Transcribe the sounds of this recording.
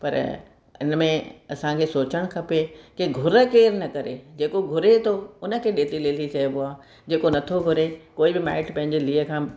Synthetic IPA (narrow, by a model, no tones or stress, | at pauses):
pɐ̰ɾ | ɪ̰nmẽɐsãkʰeːsoːt͡ɕəɽ̃̆kʰɐpekɪɡʱʊɾə̆keːɾnɐkɐɾed͡ʑeːkoɡʱʊɾet̪ʰoʊnə̆kʰeːɗeːt̪ileːt̪ʰit͡ɕɐibʊaː | d͡ʑeːkonɐt̪ʰoɡʱʊɾekoːibɪma̰ːɪʈpɐ̃ɦɪ̃ɲd͡ʑeliːəkʰãː